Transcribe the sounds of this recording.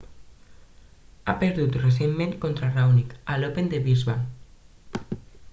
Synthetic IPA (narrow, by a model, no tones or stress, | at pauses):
a̰peɾðut̪res̬emːmẽŋkont̪ɾarawnikalopend̪eβizβa